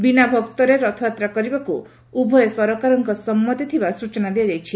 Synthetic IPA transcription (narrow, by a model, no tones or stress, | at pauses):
binabʱɔkt̪ɔɾeɾɔt̪ʰɔt̪ɾakɔɾibaku | ubʱɔjɔsɔɾɔkaɾɔŋkɔsɔmːɔt̪it̪ʰibasut͡ʃɔnad̪iad͡ʒajt͡ʃʰi